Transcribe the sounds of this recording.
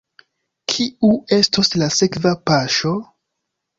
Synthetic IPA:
kʰiue̞stoslase̞kvapaʃo̞

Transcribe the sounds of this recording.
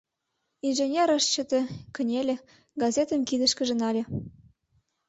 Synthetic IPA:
inʒenʲeɾəʃt͡ɕə̆t̪ĕkə̆nʲelʲĕ | ɡɑzʲet̪ə̆mkid̪ə̆ʃkə̆ʒə̆nɑlʲĕ

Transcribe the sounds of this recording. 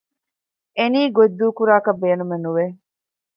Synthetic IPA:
eniːɡod̪ːuːkuɾaːkɐbeːnumenuʋe

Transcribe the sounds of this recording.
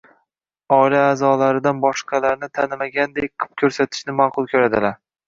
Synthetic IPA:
ɒilaːzɒlaɾɪd̪anbɒʃqʰɑlaɾnɪt̪ʰanɪmaɡʲand̪ejqʰɨ̥p̚kʲʰɵɾsat̪ʰɪ̥ʃnɪmaqʰʊlˠkʰʲɵɾad̪ɪlaɾ

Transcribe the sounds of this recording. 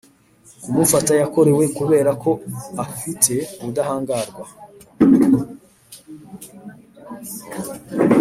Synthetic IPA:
umufatajako̞ɾe̞we̞kuβe̞ːɾakʰo̞afitʰe̞udahaːŋɡaːɾɡwa

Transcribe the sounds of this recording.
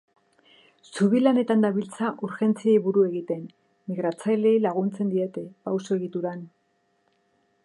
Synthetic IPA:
suβilane̞t̪and̪aβilt͡saʔuɾxe̞nt͡sieβuɾue̞ɣit̪enː | iɣɾat͡sajle̞ilaɣ̞unt͡se̞nd̪iet̪e̞pawsoe̞ɣit̪uɾan

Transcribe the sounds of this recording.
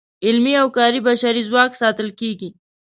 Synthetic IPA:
ɪlmiawkɑːɾibaʃaɾizwɑksɑt̪ɪlkeɡi

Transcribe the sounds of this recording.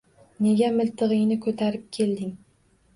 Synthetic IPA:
ne̞ɡʲamɪlt̪ʰɨʁɨjnɪkʰɵt̪ʰaɾɪp̚kʲʰe̞ld̪ɪŋ

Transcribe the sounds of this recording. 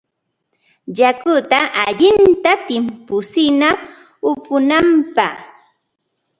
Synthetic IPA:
ʎakʊt̪aʔaʎɪnt̪at̪ɪmpʊsɪna | ʊpʊnampa

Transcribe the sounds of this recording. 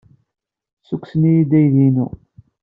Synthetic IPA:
sukʷːsənijid̪æjðinṵ

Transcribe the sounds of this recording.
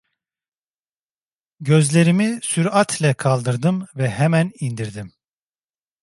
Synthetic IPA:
ɟø̞zlʲe̞ɾimisyɾat̪ʰlʲɛkʰalˠd̪ɯɾd̪ɯmvɛɦɛmænind̪iɾd̪im

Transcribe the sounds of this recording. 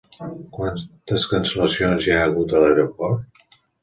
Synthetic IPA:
kwant̪əskənsələsionzaəɣ̞ut̪əlewɾopɔɾt̪

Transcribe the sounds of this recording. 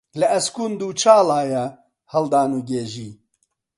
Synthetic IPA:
lɐɐskuːnd̪uːt͡ʃʰaːlaːjɛ | hɐld̪aːnuːɡeːʒiː

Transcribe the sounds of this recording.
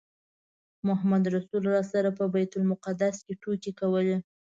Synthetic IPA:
mʊɦamad̪ɾasulɾɑsaɾapəbajt̪ʊlmʊqad̪askeʈokekawəle

